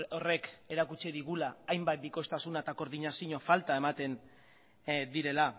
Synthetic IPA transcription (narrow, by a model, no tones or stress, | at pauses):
ore̞ke̞ɾakut͡ʃiðiɣulaːjmbat̪̚biko̞st̪asunat̪ako̞ɾðiɲasiɲo̞falt̪ae̞mat̪e̞n | d̪iɾe̞la